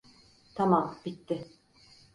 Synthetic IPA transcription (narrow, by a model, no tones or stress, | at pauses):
t̪ʰamamb̥it̪ːɪ